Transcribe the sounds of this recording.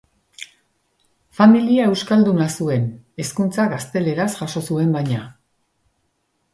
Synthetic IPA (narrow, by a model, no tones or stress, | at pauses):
familiae̞wskald̪unasue̞ne̞skunt͡saɣast̪e̞le̞ɾasʝaʃo̞sue̞mbajɲa